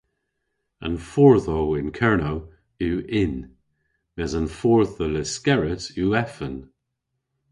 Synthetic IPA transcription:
ə̰nfɔɹðoɪnkʰɛɹno | uːʔɪn | mɛzənfɔɹθəlɪskɛɹəsuːɛfən

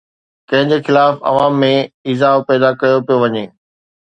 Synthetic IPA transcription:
kɐ̃ɦɪ̃ɲd͡ʑexɪlaːfɐ̰ʋaːmːẽiːzaːpɛːd̪akɐjopijoʋɐɲeː

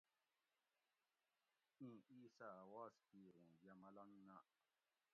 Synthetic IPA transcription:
ĩisawaskiɣũjamalanna

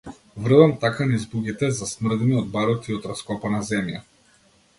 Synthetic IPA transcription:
vr̩damt̪akanizbuɡit̪ɛzasmr̩d̪niɔd̪̚baɾɔt̪iɔt̪ɾaskɔpanazɛmja̰

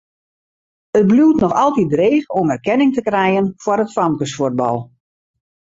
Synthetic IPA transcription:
ət̚bluːtnɔxɑlˠtit̚dreːxomɛrkɛnɪŋtəkrɛjənfwəɾətfɑmkəsfurd̚bɑ̰lˠ

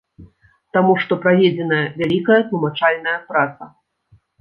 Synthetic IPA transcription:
t̪amuʂt̪ɔpɾavʲed͡zʲɛnɐjɐvʲalʲikɐjɐt̪lˠumat͡ʂalʲnɐjɐpɾat̪sɐ

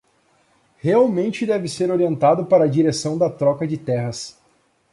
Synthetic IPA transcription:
heawmẽnt͡ʃɪd̪ɛvɪseɾoɾiẽnt̪ad̪ʊpaɾɐːd͡ʒiɾesɐ̃w̃d̪ɐt̪ɾɔkɐd͡ʒɪt̪ɛɦɐs

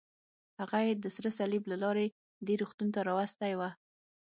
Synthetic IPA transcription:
haɣajed̪əsɾəsaliblalɑɾe | d̪eɾuxt̪unt̪aɾɑwast̪ajwa

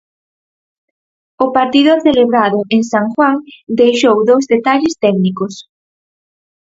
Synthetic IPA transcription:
ʊpaɾt̪iðoɾθeleβɾaðʊʔeŋsaŋxwaŋd̪ejʃowðowzðet̪aʎɪst̪ɛknikos

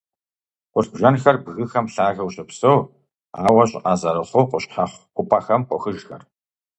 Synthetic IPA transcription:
qʷʊɬbʒɐnxɐrbɣɨxɐmɬaːɣɐwɕɐpsɐw | a̰ːwɐɕʼʔaːzɐɾɨχʷowqʷʊɕħaχʷqʷʊpʰaxɐmqʷɔxɨʒxɐ̰r

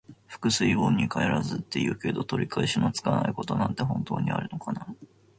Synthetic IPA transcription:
ɸɯ̥kɯ̟sɨibõɲ̟ːikʰaeɾazɨt̪ːe̞jɯ̟ːke̞d̪o̞t̪oɾʲʔikʰaeɕinot͡sɨ̥kanaiko̞t̪o̞nãnt̪e̞ɦõ̞nt̪o̞ːɲ̟ia̰ɾɯ̟no̞kana

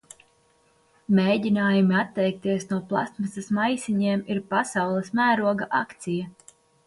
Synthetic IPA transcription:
meːdʲinaːjumiat̪ːɛjk̚t̪iɛsnuɔplˠa̰smasɐsmajsiɲeɛmiɾpasawlˠismæːɾuɔɡaʔakt̪sijɐ

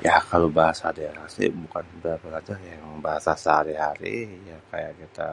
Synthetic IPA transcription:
jakalobaɦasadaeɾasḭbukanbapəlat͡ʃarjaŋbaɦasasəhaɾiɦaɾḭjakajaʔkit̪a̰

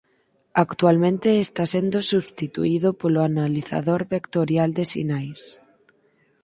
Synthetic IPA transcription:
akt̪ualmẽnt̪eːst̪asend̪osuβst̪it̪ṵiðopoloanaliθa̰ðoɾβekt̪oɾjald̪esḭnajs

